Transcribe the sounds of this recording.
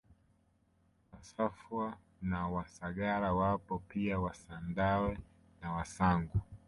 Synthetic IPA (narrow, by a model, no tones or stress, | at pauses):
wasafwa | nawasaɠaɾawapɔpiawasandawɛ | nawasaŋɡu